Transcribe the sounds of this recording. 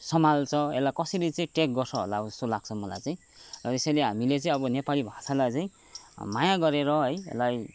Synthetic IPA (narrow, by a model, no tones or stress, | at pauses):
sʌmalt͡sʰʌḛlːakʌsʌɾit͡saĩʈek̚ɡʌrsʰʌɦo̰laʌbʌd͡zʌst̪olaɡ̥̚t͡sʰʌmʌla̰jt͡saĩ | rʌt̪esʌleɦamilet͡saĩʌbʌnepalibʱasalajt͡saĩ | majaɡʌɾeɾʌɦʌjḛlaj